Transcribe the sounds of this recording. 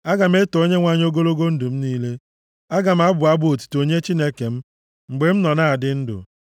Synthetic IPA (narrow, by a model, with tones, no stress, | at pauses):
a˦ɡa˨m˦e˦to˦ɲe˦ŋʷa˦˨ɲ˦o˦ɡo˦lo˦ɡo˦n̩˦dʊ˨m̩˦niː˦le˦ | a˦ɡa˨m̩˦a˦bʊ˨a˦bo˨tu̥˨to˨ɲe˦t͡ʃi˦ne˦ke˨m̩˦ | ŋ͡m̩˨ɡ͡be˨m̩˦nɔ˨na˦a˨dɪ˦n̩˦dʊ̰˨